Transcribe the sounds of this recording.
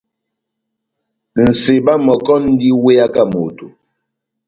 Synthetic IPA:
n̩˨se˨ba˦mɔ˨kɔ˦n̩˦di˦we˦ja˦ka˦mo˨tu˨

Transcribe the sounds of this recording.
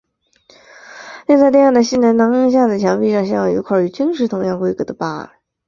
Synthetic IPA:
ljŋt͡sa˥˧ɪjɛ˥˧˥jɑ˥˩d̪ə˩ɕi˥˩na˧˥nnɑ˧˥ŋə˥˧ŋɕ̬ja˥˩d̪ə˨˩t͡ɕʰjɑ˧˥ŋpi˥˧ʂɑ˥˩ŋɕjɑ˥jɑ˧˩jo̰˧˥kʰɑ˥˩y˧˩t͡ɕi˥ŋʂɻ̩˧˥t̪ʰʊ˧˥ŋjɑ˥˧ŋkwe˥ɪkɤ˧˥d̪ə˧pa˥ə̰˨˩˦

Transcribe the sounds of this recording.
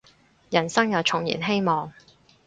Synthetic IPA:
jɐ˨˩nsɐ˥ŋjɐ˨˩wt͡ʃʰʊ˨˩ŋjḭː˨˩nɦe˥jmɔː˨ŋ

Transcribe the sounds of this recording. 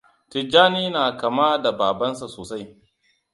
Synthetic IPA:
tɪ˨d͡ʒaː˦niː˦naː˨kɐ˨ma˦da˨baː˨bɐ˦nsa˨soː˨sa˦j

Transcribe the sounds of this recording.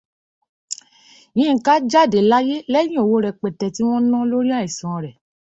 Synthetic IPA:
jĩ˨˦˧ka˦d͡ʒa˦˨de˨˦la˦je˦lɛ˦j̃ĩ˦o˨wo˦ɾɛ˧k͡pɛ˨tɛ˧˨ti˦w̃ɔ̃˦nã˦lo˦ɾi˦a˦˨i˨sã˨ɾɛ˨

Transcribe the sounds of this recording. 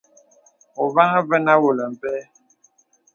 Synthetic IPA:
o˨βa˦ŋə˦və˦na˦wo˨lə˨m̩˨pɛ˦

